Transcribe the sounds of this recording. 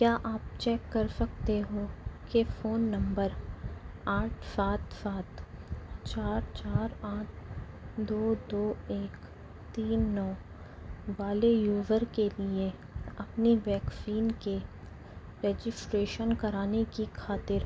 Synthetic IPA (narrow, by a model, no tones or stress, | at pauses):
kjaːʔaːp̚t͡ʃɛːkːɐɾsɐk̚t̪eɦokefoːnːɐ̃mbəɾ | aːʈʰsaːt̪saːt̪t͡ʃaːɾt͡ʃaːɾaːʈ̚ʰ | d̪oːd̪oːeːk | t̪iːnːɔː | baːlejuːʋəɾkelie | ɐpniʋɛːkfiːnke | ɾeːd͡ʒɪsʈɾeːʃənkɐɾaːnekixʰaːt̪ɪɾ